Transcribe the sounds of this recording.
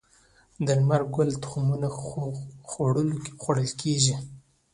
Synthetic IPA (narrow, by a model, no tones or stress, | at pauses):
d̪əɾmaɾɡʊlt̪ʊ̥xmuna | xoɽəlokxwaɽəlkʰeʒi